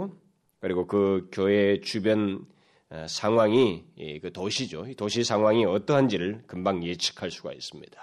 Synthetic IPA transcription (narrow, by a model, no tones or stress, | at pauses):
kɯɾiɡokɯkjoet͡ɕubjʌn | sʰaŋwaŋḭkɯtoɕʰid͡ʑoitoɕʰisʰaŋɦwaŋiʌt͈ʌɦand͡ʑiɾɯɭkɯmbaŋjet͡ɕʰi̥kʰaɭs͈uɡa̰is͈ɯmɲid̥ḁ